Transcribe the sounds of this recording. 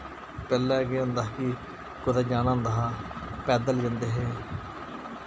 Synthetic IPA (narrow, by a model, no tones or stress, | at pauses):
pɛːlɛːɡeːõːnd̪aːki | kʊd̪aːd͡ʒaːnãːnd̪aɦãːpɛːd̪əlɡənd̪eːɦeː